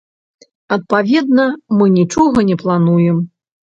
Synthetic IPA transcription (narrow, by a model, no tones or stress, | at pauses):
ɐt̪̚pavʲɛd̪nɐmɨnʲit͡ʂɔɣɐnʲɛplˠanujɛm